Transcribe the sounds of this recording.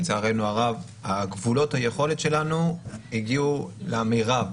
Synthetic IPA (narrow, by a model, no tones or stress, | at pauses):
t͡saaʁejnuaʁav | aɡvulo̞thajeχo̞letʃe̞lanuhiɡiuleamiʁa